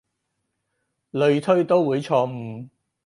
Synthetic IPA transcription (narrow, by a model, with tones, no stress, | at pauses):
lɵ˨˧ɥt̪ʰɵ˥ɥt̪o˥wwuː˨˧jt͡ʃʰɔː˧m̩˨˩